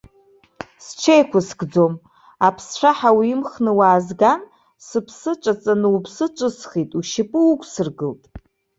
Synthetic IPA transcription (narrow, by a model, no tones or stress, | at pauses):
st͡ʃʷʰejkʷʰʊsɡd͡zom | apʰsʈ͡ʂʷʰaħawiːmχnɨwaːzɡan | sɨpʰsɨt͡ʃʷʼat͡sʼanɨwpʰsɨt͡ʃʷʼɨsχitʼuʃɪpʼɨukʷʰʼsɨrɡɨltʼ